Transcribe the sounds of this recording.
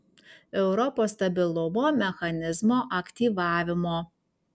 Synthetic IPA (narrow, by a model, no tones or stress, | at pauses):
ɛʊɾɔpoːst̪ɐbʲɪlˠʊmoːmʲɛxɐnʲɪzmoːʔɐkʲt̪ʲiːʋɑːʋʲɪmoː